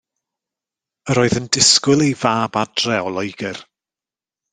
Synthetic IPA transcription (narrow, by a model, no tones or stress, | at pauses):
əɾoːɨðəndɪskʊlˠejvaːbad̥rɛɔlˠɔjɡɪr